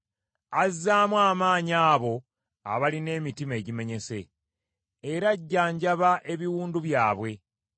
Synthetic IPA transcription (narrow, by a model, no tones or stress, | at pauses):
azːaːmwaːmaːɲaːβo̞ | a̰βaline̞ːmitime̞ɟime̞ɲe̞se̞ː | ɾaɟːaːɲɟaβaʔe̞βiwuːnduβjaːβwe̞